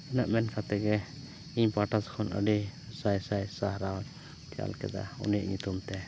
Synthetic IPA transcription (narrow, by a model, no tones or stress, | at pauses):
ɛnaʔmɛnkʰat̪ɛɡɛ | iɲpaʈaskʰɔnʔə̰ɖisajsajsahɾal | t̪ɛa̰lkɛ̰d̪a̰ɔ̰nijaʔɲut̪umt̪ɛ